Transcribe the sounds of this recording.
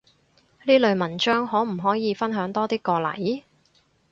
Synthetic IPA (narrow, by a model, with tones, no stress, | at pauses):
liː˥lɵ˨˧ɥmɐ˨˩nt͡ʃœː˥ŋɦɔː˨˥m̩˨˩ɦɔː˨˥jiː˨˧fɐ˥nɦœː˨˥ŋt̪ɔː˥t̪iː˥kɔː˧lɐ̰˨˩j